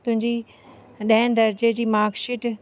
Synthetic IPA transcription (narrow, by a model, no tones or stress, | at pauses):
t̪ʊ̃ɦɪ̃ɲd͡ʑi | ɗɐɪnd̪ɐɾd͡ʑed͡ʑiːmaːɾkʃɪʈ